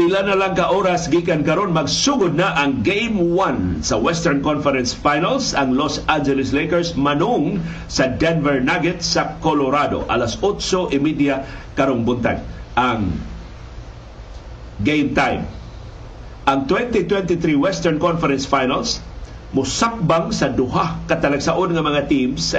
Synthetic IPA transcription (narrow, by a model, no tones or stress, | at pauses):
ʔɪlanɐlaŋkɐʔoɾasɡiːkankɐɾonmɐɡsuɡʊd̪̚naʔɐŋɡejmwansɐwɛst̪ɛɹnkɔnfɛɾɛnsfajnalsɐŋlosand͡ʒɛlɪslejkɛɹsmɐnʊŋ | sɐd̪ɛnvɛɹnaɡɛt̪sɐkoloɾad̪o̰ʔa̰lasot̪soʔɪmid̪jakaɾoŋbʊnt̪a̰jʔaŋ | ɡejmt̪ajm | ʔɐŋt̪wɛnt̪ɪt̪wɛnt̪ɪθɾiwɛst̪ɛɹnkɔnfɛɾɛnsfajnals | mʊsak̚baŋsɐd̪ʊɦakɐt̪ɐlɐɡsaʔonŋɐmɐŋat̪ims